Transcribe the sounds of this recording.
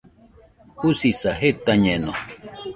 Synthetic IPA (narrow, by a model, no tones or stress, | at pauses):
usisaɦet̪aɲeno̰